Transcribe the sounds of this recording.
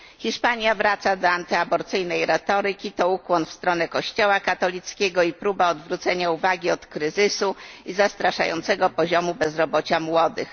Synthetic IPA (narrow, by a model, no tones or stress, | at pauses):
xʲiʂpaɲjavɾat̪sad̪ɔant̪ɘabɔɾt̪sɘjnɛjɾɛt̪ɔɾɘkʲit̪ɔukwɔnfst̪ɾɔnɛkɔɕt͡ɕɔwakat̪ɔlʲit̪skʲɛɡɔipɾubaɔd̪vɾut̪sɛɲauvaɡʲiɔt̪kɾɘzɘsuizast̪ɾaʂajɔ̰nt̪sɛɡɔpɔʑɔmubɛzɾɔbɔt͡ɕamwɔd̪ɘ̰x